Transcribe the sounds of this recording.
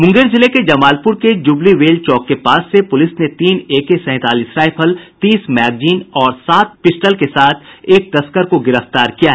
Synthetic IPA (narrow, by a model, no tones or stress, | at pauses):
mʊ̃ŋɡeːɾzɪleked͡ʒɐmaːlpʊɾked͡ʒʊbliʋeːlt͡ʃɔːkːepaːsːepʊlɪsnet̪iːneːkesɛ̃ːt̪aːliːsɾaːɪpʰəlt̪iːsmɛːɡd͡ʒiːnɔːɾsaːt̪̚pɪsʈəlkesaːt̪ʰeːk̚t̪ɐskəɾkoɡɪɾəft̪aːɾkijaɦɛ